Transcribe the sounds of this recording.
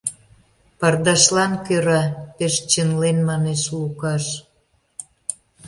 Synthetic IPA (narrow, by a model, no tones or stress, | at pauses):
pɑrd̪ɑʃlɑnkøɾɑpeʃt͡ɕənlenmɑneʃlukɑʃ